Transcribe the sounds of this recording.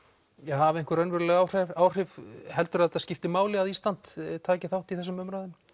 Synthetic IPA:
jɛɦaːvɪɛŋ̥kʏɾœnvʏɾlɛɣawr̥ɛaːwr̥ɪvhɛl̪t̪ʏɾat̪aðscɪft̪ɪmaːwlɪaðiːst̪ant̪t̪ʰːaːcɪθawht̪iθɛsːʏmʏmɾaðɪn

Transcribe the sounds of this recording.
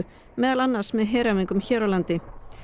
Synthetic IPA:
mɛːðalanːaɾ̥smɛðɦeːɾamiŋkʏmçɛːɾɔlant̪ɪ

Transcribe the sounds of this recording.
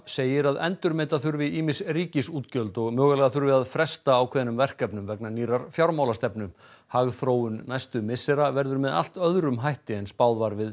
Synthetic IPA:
seːjɪɾaðɛ̰nt̪ʏɾmeːt̪aθʏɾvɪiːmɪ̥sriːcɪsuːt̪cœlt̪ɔɣmœːɣalɛːɣaθʏɾvɪðaðfɾɛst̪aːwkʰvɛːðanʏmvɛr̥kɛpnʏmvɛknaniːɾaɾ̥fjawɾmawlast̪ɛpnʏm | haɣθɾoːwʏnːajst̪ʏmɪsɛɾavɛɾðʏɾmɛða̰l̥t̪œðɾʏmɦajht̪ɪɛnspaːwðvaɾvɪð

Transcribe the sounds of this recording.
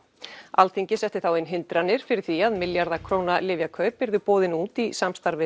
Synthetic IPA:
alθiɲcɪsɛht̪ɪθawɪnɦɪnt̪ɾanːɪɾ̥fɪɾɪɾ̥θiaðmɪljaɾðakʰɾoːwnalɪvjakʰœːɥpːɪɾðʏpoːðɪnuːt̪isamst̪aɾvɪ

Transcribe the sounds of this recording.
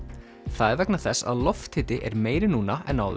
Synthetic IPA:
θaðɛɾvɛknaθɛsːa̰ðlɔft̪ʰɪːt̪ɪʔɛ̰ɾmeːjɾɪnuːnaɛnawð

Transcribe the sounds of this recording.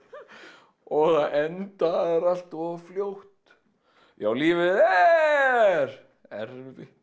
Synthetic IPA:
ɔɣθaʔɛnt̪aɛɾal̥t̪ɔfljowht̪ | jawliːvɪðɛ | ɾ | ɛ̰ɾfɪ

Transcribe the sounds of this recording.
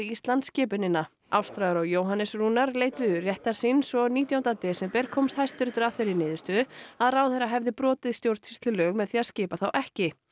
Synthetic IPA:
iist̪lant̪scɛːpʏnɪnːa | awst̪ɾaðʏɾɔɣjoːwɦanɪsruːnaɾleːjt̪ʏrjɛht̪aɾ̥sinsɔɣniːt̪jawnt̪at̪ɛːsɛmpɛɾ̥kʰɔmst̪hajst̪ʏɾt̪ʏɾafɪɾɪɾnɪːðʏst̪œːðʏaðrawθejraɦɛvðɪpɾɔːt̪ɪðst̪jowɾ̥t̪fi̥st̪lɪlœːɣmɛðθiːascɪːpaθawʔɛhcɪ

